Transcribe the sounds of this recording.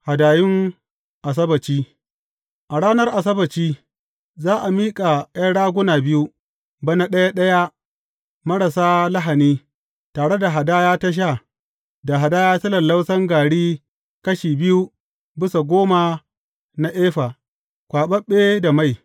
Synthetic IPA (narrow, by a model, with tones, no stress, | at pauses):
ha˨daː˨jɪ˦ŋ | ʔa˨s̬ɐ˦bɐ˨t͡ʃiː˦ | ʔa˨ɽaː˦nɐ˦rʔa˨s̬ɐ˦bɐ˨t͡ʃiː˦ | zaː˦ʔa˨miː˦kʼa˨jɐ˦ɽaː˦ɡʷʊ˦naː˨bɪ˦ju˦ | bɐ˦na˦ɗɐ˦ja˦ɗɐ˦ja˦ | mɐ˦ɽa˨saː˦la˦ɦa˨niː˦ | taː˨ɽe˦da˨ɦa˨daː˦jaː˦tɐ˦ʃ̬aː˦˨ | da˨ɦa˨daː˦jaː˦sɐ˦lɐ˨nla˦wsɐ˦ŋɡaː˨ɽiː˦ | kɐ˦ʃiː˨bɪ˦ju˦ | bɪ˦sa˨ɡʷoː˦ma˨ | na˨ʔeː˦ɸaː˨ | kʷaː˨ɓɐ˦ɓːeː˦da˨ma˦˨j